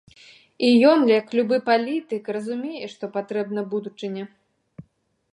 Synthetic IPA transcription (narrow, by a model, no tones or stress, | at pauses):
ijɔnlʲɛjɐklʲubɨpalʲit̪ɨkrɐzumʲejɛʂt̪ɔpat̪ɾɛbnɐbud̪ut͡ʂɨnʲɛ